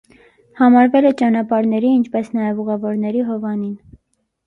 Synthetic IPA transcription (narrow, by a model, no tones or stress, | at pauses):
hɑmɑɾvɛlɛt͡ʃɑnɑpɑɾnɛɾiint͡ʃʰpɛsn̪ɑjɛvuʁɛvɔɾnɛɾiɦɔvɑnin